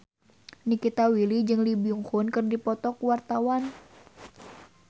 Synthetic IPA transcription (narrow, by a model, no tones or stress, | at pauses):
nikit̪awilid͡ʒɨŋlibiuŋhʊnkɨrdipɔt̪ɔkwart̪awan